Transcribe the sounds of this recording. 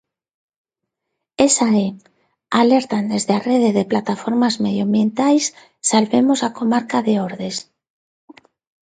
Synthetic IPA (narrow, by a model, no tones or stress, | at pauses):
esae | aleɾt̪and̪ezðeareðeðeplat̪afoɾmazmeðjambje̞nt̪ajs | salβemosakomaɾkaðeoɾðes